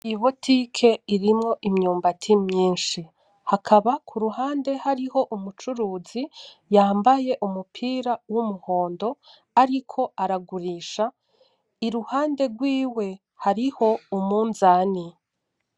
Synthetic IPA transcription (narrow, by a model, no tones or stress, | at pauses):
iβotʰikʰe̞iɾimŋo̞ʔimɲuːmbatʰimɲiːnʃi | hakʰaβakʰuɾuhaːnde̞haɾiho̞ʔumut͡ʃuɾuːzi | jaːmbaje̞ʔumupʰiːɾawumuho̞ːndo̞ | aɾikʰo̞aɾaɡuɾiːʃa | iɾuhaːnde̞ɡwiːwe̞ | haɾiho̞umuːnzaːni